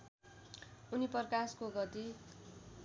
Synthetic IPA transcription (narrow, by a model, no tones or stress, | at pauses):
unipʌrkaskoɡʌt̪i